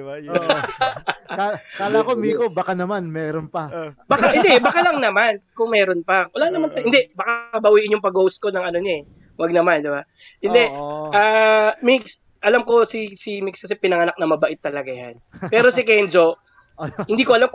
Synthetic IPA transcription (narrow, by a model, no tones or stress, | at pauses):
kalakomikbakanɐmanmɛːɾonpɐbakahɪnd̪ɛbɐkalɐŋnɐmankʊŋmɛːɾonpɐwɐlaːnɐmant̪ɐhɪnd̪ɛʔbɐkaɐbɐwiʔɪɲʊŋpɐɡowst̪̚ko̞nɐŋɐnoɲoɛ | wɐɡ̚nɐmand̪ɪba | hɪnd̪ɛʔaːmɪks | ʔɐlamko̞sisimɪkskɐsɛpɪnɐŋɐnak̚nɐmɐbɐʔɪt̪ːɐlɐɡaja̰npɛːɾosɪkɛnd͡ʒo̞ | hɪnd̪iːkoɐlam